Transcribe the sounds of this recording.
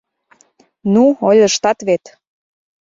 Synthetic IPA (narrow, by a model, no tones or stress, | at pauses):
nuolʲəʃt̪ɑt̪βet̪